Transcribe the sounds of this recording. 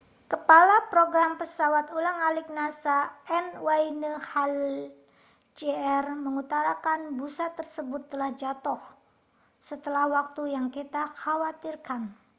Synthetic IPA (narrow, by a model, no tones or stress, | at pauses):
kəpalapɾoɡɾampəsawat̪ulaŋalɪk̚nasaɛnwainəhal | d͡ʒeɛrməŋut̪aɾakanbusat̪ərsəbʊt̪ːəlahd͡ʒat̪ɔh | sət̪əlahwak̚t̪ujaŋkit̪axawat̪irkan